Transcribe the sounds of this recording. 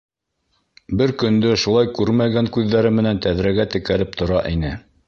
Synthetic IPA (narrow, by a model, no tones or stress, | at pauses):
bɘɾkɵ̆nd̪ɵʃulˠɑjkʉɾmæɡæŋkʉðːæɾɘmɘ̆nænt̪æðɾæɡæt̪ɘ̆kæɾɘp̚t̪ŏɾɑʔinɘ